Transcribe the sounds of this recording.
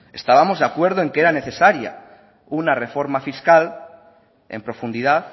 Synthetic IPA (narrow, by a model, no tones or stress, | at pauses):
e̞st̪aβamo̞zðeakwe̞ɾð̞oe̞ŋkeɾane̞θe̞saɾja̰ | unare̞fo̞ɾmafiskal | e̞̰mpɾo̞fund̪iðaθ